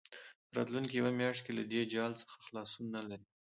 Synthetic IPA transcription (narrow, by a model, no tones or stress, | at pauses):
pəɾɑ̰t̪luŋkijawamjɑʃkelad̪ed͡ʒɑlt͡sə̥xḁxlɑsunːalaɾi